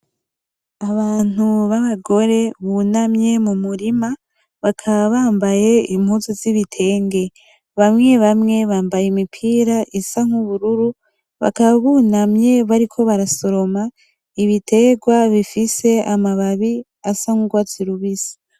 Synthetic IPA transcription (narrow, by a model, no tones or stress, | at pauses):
aβaːn̥uβaβaɡo̞ɾe̞βunamɲje̞mumuɾima | βakʰaβaβaːmbaje̞im̥huziziβitʰe̞ːŋɡe̞ | βamŋe̞βamŋe̞βaːmbajemipʰiːɾaʔisaŋuβuɾuɾu | βa̰kaβaβunamɲe̞βaɾikʰo̞βaɾaso̞ɾo̞ma | iβitʰe̞ɡwaβifise̞amaβaβi | asaŋ̥uɡwat͡siɾuβisi̥